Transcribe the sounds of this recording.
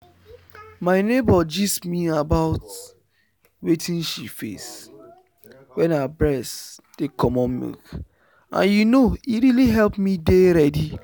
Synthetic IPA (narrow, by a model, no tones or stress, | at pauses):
maɪnebɔd͡ʒismiabaʊt | wetʰĩnʃifḛs | wɛ̃nabɹɛsd̥ekɔmɔ̃nmḭk | ã̰njunoiɾiliɦɛlpmideɾɛdi